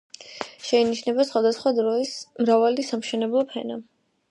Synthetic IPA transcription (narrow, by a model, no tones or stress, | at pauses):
ʃɛiniʃnɛbasχwad̪asχwad̪ɾɔismɾavalisamʃɛnɛblˠɔpʰɛ̰na